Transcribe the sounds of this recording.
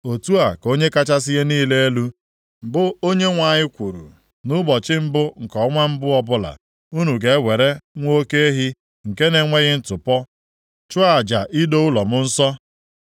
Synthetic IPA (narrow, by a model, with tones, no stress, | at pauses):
o˨tu˦a˨ko˦ɲe˦ka˦t͡ʃa˦s̬ɪ˦ɣe˦niː˦le˦e˦lu˦ | m̩˨bʊ˦o˦ɲe˦ŋʷa˨ɲɪ˦kʷu˨ɾṵ˨ | nʊ˦bɔ˨t͡ʃɪ˦m̩˦bʊ˦ŋ̩˨kɔ˨˦ŋʷa˦m̩˦bʊ˦ɔ˦bʊ˦la̰˨ | u˦nu˨ɡe˨˦wʷe˨ɾe˦ŋʷo˦ke˦ɦɪ˦ | ŋ̩˨ke˦ne˨ŋʷe˦ɣɪ˦n̩˦tʊ˨pɔ˦ | t͡ʃʊ˦a˨d͡ʒa˨ʔi˦do˦ʊ˦lɔ˨mʊ˦n̩˦sɔ˦